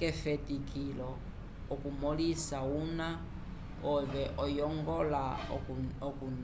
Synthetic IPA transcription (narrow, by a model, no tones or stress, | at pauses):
kɛfɛtikʰilɔ | ɔkumɔlisauna | ɔβɛʔɔjɔŋɡɔla | ɔkun